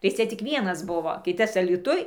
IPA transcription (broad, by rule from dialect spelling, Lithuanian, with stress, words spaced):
tɐɪ ˈt͡sʲɛ ˈt͡sʲɪk ˈʋʲiɛnɐs ˈbʊʋoː ˈkʲɪtɐs ɐlʲiːˈtʊj